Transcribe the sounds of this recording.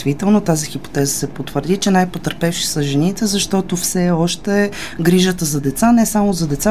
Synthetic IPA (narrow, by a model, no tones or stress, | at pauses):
t̪vit̪ɛlˠnot̪azixipo̥t̪ɛzəsɛpot̪vəɾd̪it͡ʃɛnajpot̪əɾpɛfʃi̥sɐʒɛnit̪ɛzɐʃt̪ɔt̪ofsɛɔʃt̪ɛ | ɡɾiʒət̪əzɐd̪ɛt̪sanɛsamozɐd̪ɛt̪sa